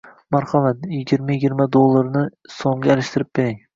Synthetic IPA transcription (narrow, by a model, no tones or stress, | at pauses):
mɑɾχɑmat̪jɪɡʲɪɾmajɪɡʲiɾmad̪olˠːaɾnɪsoŋɡʲaːlɪʃt̪ʰɪɾɪp̚b̥eɾaŋ